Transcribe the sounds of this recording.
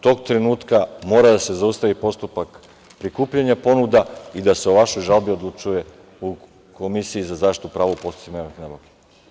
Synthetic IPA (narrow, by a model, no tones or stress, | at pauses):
t̪o̞ːɡt̪ɾenuːt̪kamo̞ːɾad̪ase̞zaust̪aʋipo̞st̪upak | pɾikuːpʎaɲapo̞nud̪aid̪ase̞oʋaʃojʒalˠbiod̪lˠut͡ʃuje̞ | u | komisiizazaːʃt̪it̪upɾaːʋoupo̞st̪u̥t̪imaixnaboke̥